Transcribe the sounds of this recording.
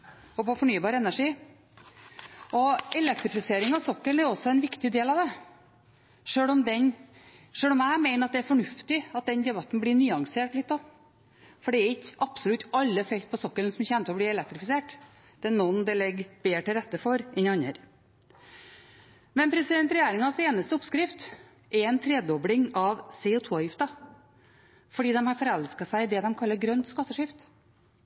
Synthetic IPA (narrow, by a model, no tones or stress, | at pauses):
ɔpɔfɔɳyːbɑːɾəɛnːæʂiː | ɔɛlɛk̚t̪ɾɪfɪseːɾɪŋɑʋsɔkːəlnæɾɔsɔɛnʋɪkt̪ɪd̪eːlɑʋd̪ɛ | ʂøːlɔmd̪ɛn | ʂøːlɔmæɪmæɪnəɾɑt̪̚d̪ɛæɾfɔɳʉft̪ɪɑt̪̚d̪ɛnd̪ɛbɑt̪ːnblɪɳyːɑŋseːʈlɪt̪ːd̪ɔ | fɔɖɛæɾɪkːʔɑpsɔʊlʉt̪ːɑlːəfɛkt̪̚pʰɔsɔkːəlnsɔmçɛːnət̪ʰəɔbliːɛlɛk̚t̪ɾɪfɪseːʈ | d̪̥ɛɛnɔnd̪ɛlɛɡb̥eːʈɪlɾɛt̪ːəfɔɾɛnɑnːəɾ | mɛnpʰɾɛsɪd̪ɛnt̪ɾɛjeːɾɪŋɑseːnəst̪əʊpskɾɪft̪ | ʔɛɾɛnt̪ʰɾɛːd̪ɔblɪŋɑʋsɛuːt̪ʰoːjɪft̪ɑ | fɔɖiːd̪ɛmhɑɾfɔɾɛlskɑsæɪɪd̪ɛd̪ɛmkʰɑlːəɾɡɾœnt̪skɑt̪ːəʂɪft̪